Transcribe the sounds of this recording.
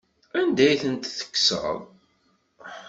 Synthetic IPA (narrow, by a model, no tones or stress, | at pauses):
ænd̪æjθənt̪θə̥kːsə̰ðˤ